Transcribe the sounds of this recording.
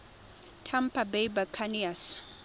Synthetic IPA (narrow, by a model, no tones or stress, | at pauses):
tʰampʰabejbakʰanias